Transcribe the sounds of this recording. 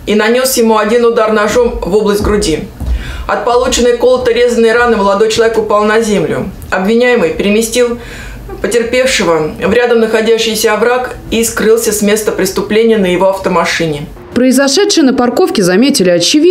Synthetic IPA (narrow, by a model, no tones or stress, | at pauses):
inɐnʲo̞sjɪmuɐdʲinʊd̪arnɐʐo̞mvo̞blˠəsʲt̚ʲɡɾʊdʲi | ɐ̰t̪̚pɐlˠut͡ɕɪnːəjko̞lˠət̪əɾʲe̞zənːəjɾanɨməlˠɐd̪o̞jt͡ɕɪlˠɐvʲekʊpalˠnɐzʲemlʲʊ̰ | ɐbvʲɪnʲæjɪmɨjpʲɪɾʲɪmʲɪsʲtʲilˠ | pətʲɪrpʲe̞fʂɨvəvɾʲad̪əmnəxɐdʲæɕːɪjsʲəvɾakiskɾɨlˠsʲəsmʲe̞st̪əpɾʲɪst̪ʊplʲenʲɪjənəjɪvo̞ɐft̪əmɐʂɨnʲɪ | pɾəɪzɐʂɛt̪ʂɨjənəpɐrko̞fkʲɪzɐmʲetʲɪlʲɪɐt͡ɕɪvʲi